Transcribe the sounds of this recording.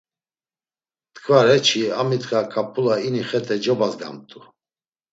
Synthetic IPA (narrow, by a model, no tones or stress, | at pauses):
t̪ʰʼkʰvaɾɛt͡ʃʰiamit̪ʼkʼakʼapʰʼulainiχɛt̪ʰʼɛd͡ʒɔbazɡa̰mt̪ʼu